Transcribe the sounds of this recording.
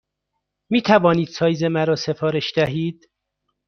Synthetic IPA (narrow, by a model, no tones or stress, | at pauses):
miːt̪ʰævɒːniːd̪̥sɒːjzemæɾɒːse̞fɒːɾeʃd̪æɦiːd̪̥